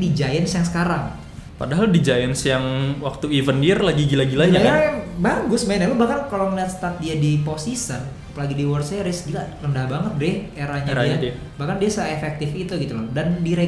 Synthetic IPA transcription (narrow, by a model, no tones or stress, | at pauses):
did͡ʒajɛnsjaŋsə̥kaɾaŋ | pa̰daɦaldid͡ʒajɛnsjaŋwak̚t̪uivənirlaɡiɡilaɡilaɲaaɾajaŋbaɡʊsmaɛnalobahkankalokəndast̪at̪̚diadiposisən | apəlaɡidiwərsaaɾɪskilarəndahbaŋət̪̚dɪheɾahɲaɾiaa | bahkandiasaefɛk̚t̪ɪfit̪uɡit̪uldandiɾe